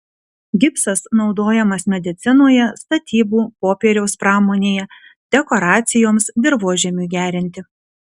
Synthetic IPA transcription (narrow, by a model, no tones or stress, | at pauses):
ɡʲɪpsɐsnɒʊd̪oːjɛmɐsmʲɛd̪ʲɪt̪sʲɪnoːjɛst̪ɐt̪ʲiːbuːpoːpʲeːɾʲɛʊspɾɑːmoːnʲeːjɛd̪ʲɛkɔɾɑːt̪sʲɪjoːmsd̪ʲɪɾʋoːʒʲɛmʲuːɡʲæːɾʲɪnʲt̪ʲɪ